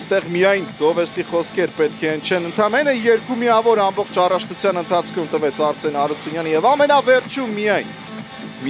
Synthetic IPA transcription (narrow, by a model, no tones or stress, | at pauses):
st̪ɛʁmijɑjnɡ̥ɔvɛst̪iχɔskʰɛɾpɛt̪̚kʰɛənt͡ʃʰɛnənt̪ʰɑmɛnəjɛɾkumiɑvɔɾɑmbɔχt͡ʃʰɑrɑʃʰnut͡sʰjɑnənt̪ʰɑt͡sʰkʰumt̪əvɛt͡sʰɑɾsɛnhɑɾut͡sʰunjɑnijɛvɑmɛnɑvɛɾt͡ʃʰumːijɑjn | m